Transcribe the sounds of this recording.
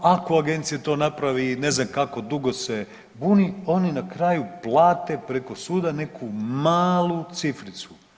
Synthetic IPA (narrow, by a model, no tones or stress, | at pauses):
ako̞aɡe̞nt̪sijat̪o̞ːnapɾaʋine̞znamkako̞d̪uɡo̞se̞ | bunio̞ninakɾaːjuplˠaːt̪e̞pɾe̞ko̞suːd̪ane̞kʰumaːlˠut̪sifɾit̪su̥